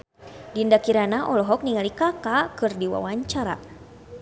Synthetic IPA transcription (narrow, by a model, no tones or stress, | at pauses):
dindakiɾanaʔɔlɔɦɔk̚niŋalikakakɨrdiwa̰waɲt͡ʃaɾa̰